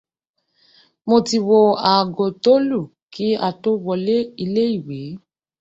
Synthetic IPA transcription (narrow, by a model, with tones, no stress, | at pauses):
mo˧ti˨wo˧a˨ɡo˨to˦lu˦˨ | ki˦a˧to˦wɔ˧le˦i˧le˦i˦˨we˨˦